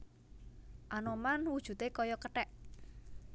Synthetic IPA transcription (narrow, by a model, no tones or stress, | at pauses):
ʔanomanwud̥ʒ̥ṳt̪ekɔjɔkəʈɛʔ